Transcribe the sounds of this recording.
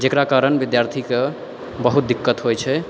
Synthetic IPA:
d͡ʒekɾakaɾənbid̪jaɾt̪ʰike | bəɦut̪̚d̪ikːət̪ɦojt͡ʃʰɛ

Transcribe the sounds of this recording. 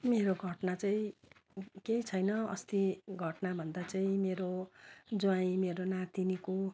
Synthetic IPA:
meɾoɡʱʌʈnat͡saĩ | keit͡sʰʌjnʌʌ̰st̪iɡʱʌʈnabʱʌnd̪at͡saĩmeɾod͡zuaĩmeɾonat̪iniko

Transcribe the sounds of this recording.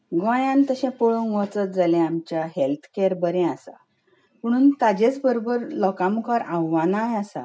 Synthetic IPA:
ɡãjãnt̪əɕɛ̃poɭunʋət͡sət̪̚d͡zalɛ̃amt͡ɕaɦelt̪ʰkeɾbəɾɛ̃asa̰ | m̤əɽ̃uːnt̪ad͡ʑet͡sbəɾobəɾlɔkãmukʰaɾãwːanajasa̰

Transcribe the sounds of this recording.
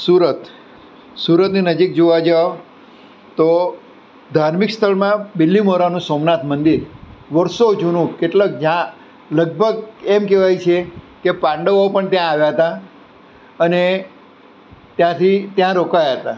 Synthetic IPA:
suɾət̪ | suɾət̪ninəd͡ʒik̚d͡ʒoʋad͡ʒao | t̪o | d̪ʱaɾmikst̪ʰəɭmãbɪlːimoɾanũsomnat̪ʰmənd̪iɾʋəɾsod͡ʒunũkeʈlək̚d͡ʒã | ləɡ̚bʱəɡemkɛʋajt͡ʃʰe | kepãɳɖəʋopəɳt̪jãːʋjaɦət̪a | əne | t̪jãt̪ʰit̪jãɾokajaɦət̪a

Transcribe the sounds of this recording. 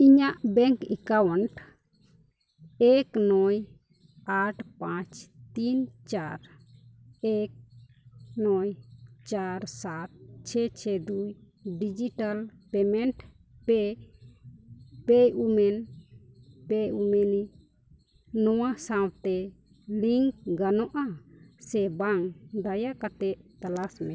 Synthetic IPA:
iɲaʔbɛŋkikawɔɳʈ | ɛknɔj | aʈʰpãt͡ʃt̪int͡ʃaɾ | ɛk̚ | nɔjt͡ʃaɾsat̪̚t͡ʃʰɛt͡ʃʰɛd̪uj | ɖid͡ʒiʈalpɛmɛɳʈ | pɛ | pɛjumɛn | pɛumɛni | nɔwasawt̪ɛ | liŋkɡanɔʔasɛbaŋd̪ajakat̪ɛʔt̪alasmɛ̃

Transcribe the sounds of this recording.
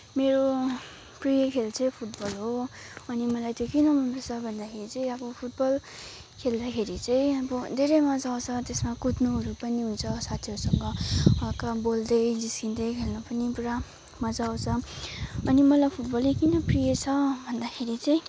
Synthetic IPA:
meɾo | prijʌkʰelt͡sʰʌjpʰuʈbʌlɦoʌnimʌlajt̪jokinʌmʌnʌsʰʌbʱʌnd̪akʰeɾit͡sʌĩabʌpʰuʈ̚bʌl | kʰeld̪akʰeɾit͡sʌj̃ʌbʌd̪ʱeɾʌjmʌd͡zawt͡sʰʌt̪esmakut̪noɦʌɾupʌniɦunt͡sʰʌsat̪ʰiɦʌɾusʌŋɡʌʌkabold̪ʌjd͡ziskind̪ʌjkʰelnupʌnipuɾa | mʌd͡zaw̃t͡sʰʌ | ʌnimʌlajpʰuʈbʌlikinʌprijet͡sʰʌbʱʌnd̪akʰeɾit͡sʌj̃

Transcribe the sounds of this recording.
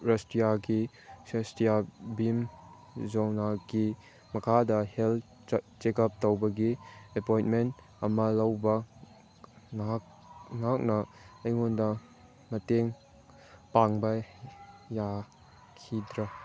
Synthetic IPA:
ɾɐstijaɡi | sestijabim | zownaɡi | mɐkʰadɐhel | t͡ʃekɐp̚towbɐɡiepojnment | ɐmɐlɐwbɐ | a | ŋak̚nɐɐjŋondɐ | mɐteŋ | paŋbɐ | ja | kʰidɾɐ

